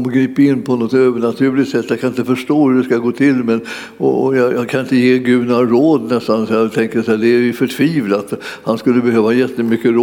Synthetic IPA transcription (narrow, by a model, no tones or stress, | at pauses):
mɡɾiːpaɪnːpʰɔnɔt̪øːvəɳat̪ʰʉ̟ːlɪkt̪sɛt̪ːjakʰanɪnt̪əfœʂʈoːhɵdɛskaɡoːt̪ʰɪlːmɛn | ɔɔjɑjɑkʰanɪnt̪əjeːɡʉ̟ːnaɾoːd̪nɛst̪ansɔjɑt̪ʰɛŋkəsɛæd̪ɛæɾjfœʈʰviːvlat̪hanskɵlːəbɛhøːvaajɛt̪ːəmʏkːəɾː